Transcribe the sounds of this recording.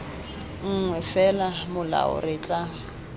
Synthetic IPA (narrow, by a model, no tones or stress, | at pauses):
ŋ̩ŋwɛfɛlamʊla̰ʊ̰rɪt͡ɬʼa